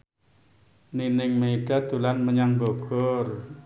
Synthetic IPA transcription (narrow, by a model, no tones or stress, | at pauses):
ninɪŋmeiɖ̥a̤d̪̥ṳlanməɲaŋboɡ̥ɔr